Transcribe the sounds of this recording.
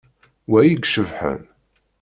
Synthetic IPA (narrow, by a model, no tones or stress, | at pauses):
wæjiɡʃəvħə̰n